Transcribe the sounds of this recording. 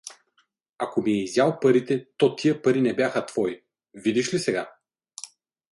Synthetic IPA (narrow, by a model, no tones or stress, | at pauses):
akomiɛizʲjalˠpɐɾit̪ɛt̪ɔt̪iəpɐɾinɛbjaxət̪v̥ɔi | vid̪iʃlisɛɡa